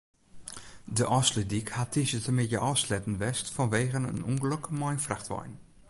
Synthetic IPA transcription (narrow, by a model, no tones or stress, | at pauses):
dəʔɔslədikhatʰisətəmɪjə̰ʔɔslɛtn̩ʋɛstfɔnʋeːɣənə̰nuŋɡələkəmɔjnfraxtʋɔ̰jn